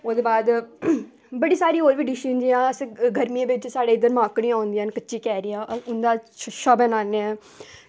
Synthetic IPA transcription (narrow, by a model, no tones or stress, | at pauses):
oːd̪eːbaːd̪ | bəɽiːsaːɾiːoːɾʋiːɖɪʃind͡ʒiãːəsɡʱəɾmijãːʋɪt͡ʃsaːɖeːɪd̪əɾmãːkɽijãːõʊ̃nd̪inkətːʃiːkɛːɾiːaːʔʊnd̪aːʃəbɛnaːne